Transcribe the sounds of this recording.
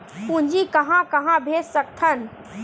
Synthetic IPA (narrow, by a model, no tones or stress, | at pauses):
pũnd͡ʒikəɦãkəɦãbʱesək̚t̪ʰən